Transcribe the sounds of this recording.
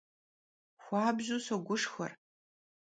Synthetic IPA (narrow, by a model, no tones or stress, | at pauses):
xʷaːbʑusɐɡʷʊʂxɐ̰r